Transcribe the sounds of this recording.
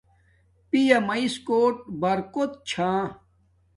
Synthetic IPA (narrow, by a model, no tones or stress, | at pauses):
pijɐmɐiskoːʈ̚bɐɾkot̪̚t͡ɕʰãː